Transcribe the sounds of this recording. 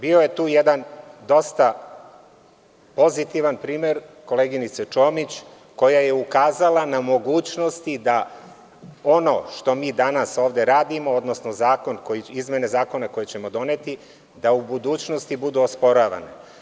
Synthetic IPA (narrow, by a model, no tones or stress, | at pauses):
bio̞je̞t̪uːjed̪and̪o̞st̪a | po̞zit̪iʋanpɾiːmeɾko̞leɡinit̪set͡ʃo̞ːmit͡ɕ | ko̞jaje̞ukaːzalˠanamo̞ɡuːt͡ɕno̞st̪id̪a | o̞no̞̰ʃt̪o̞miːd̪anasoːʋd̪e̞ɾaːd̪imood̪no̞sno̞zaːko̞nkoiizmʲje̞ne̞zaːko̞nako̞jet͡ɕemo̞d̪o̞net̪i | d̪aubud̪uːt͡ɕno̞st̪ibud̪uospo̞ɾaːʋa̰nḛ